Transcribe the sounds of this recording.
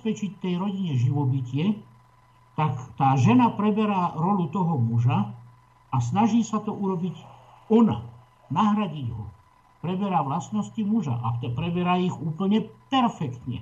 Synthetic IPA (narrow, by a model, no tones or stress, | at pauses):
spɛt͡ʃic̚t̪ɛjɾɔɟiɲɛʒiʋɔbicɪɛ | t̪akt̪aːʒɛnapɾɛbɛɾaːɾɔlut̪ɔɦɔmuʒa | as̬naʒiːsat̪ɔʔuɾɔbic | ɔna̰ | naɦɾaɟiɟɦɔ̰ | pɾɛbɛɾaːʋlast̪nɔscimuʒa̰ʔa̰ɛpɾɛbɛɾaiɣuːpl̩ɲɛpɛɾfɛkt̪ɲɛ̰